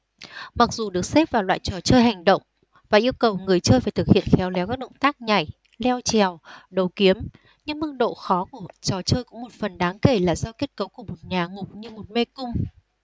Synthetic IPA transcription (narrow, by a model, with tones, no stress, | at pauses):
ma˨˩k̚zu˨˩ɗɨ˨˩ək̚se˦˥p̚vaː˨˩wlwa̰ː˧˨jt͡ɕɔ˨˩t͡ɕəː˧jɦa˨˩jŋ̟ɗə̰˧˨wŋ͡m | vaː˨˩ʔi˧əwkə˨˩wŋɨ˨˩əjt͡ɕəː˧jfaː˧˩jt̪ʰɨ˨˩k̚hḭ˧˨ənxɛ˨˦wlɛ˨˦wkaː˦˥ɗə̰˧˨ŋ͡mt̪aː˦˥k̚ɲa˨˩j | lɛ˧wt͡ɕɛ˨˩əwɗə˨˩wki˨˦əm | ɲɨ̰˧˥ŋmɨ˦˥k̚ɗo̰˧˨xɔ˨˦ku˧˩ət͡ɕɔ˨˩t͡ɕəː˧jkʊ̰˧˥ŋ͡mmo˨˩t̚fə˨˩nɗaː˨˦ŋke˧˩laː˨˩zɔ˧ke˦˥ət̚kə˨˦wku˧˩əmo˨˩t̚ɲaː˨˩ŋʊ˨˩k͡p̚ɲɨ˧mo˨˩t̚me˧kʊ˧ŋ͡m